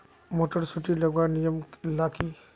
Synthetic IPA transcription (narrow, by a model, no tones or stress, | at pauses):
moʈəɾsuʈiləɡʋanijəmlaki